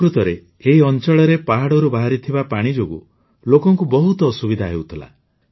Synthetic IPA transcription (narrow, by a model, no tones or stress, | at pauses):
ɾut̪ɔɾeː | ɦiɔnt͡ʃɔɭɔɾepaɦaɽɔɾubaɦaɾit̪ʰibapaɽ̃id͡ʒoɡṵ | lokɔŋkubɔɦut̪ɔːsubid̪ʱaɦewt̪ʰila̰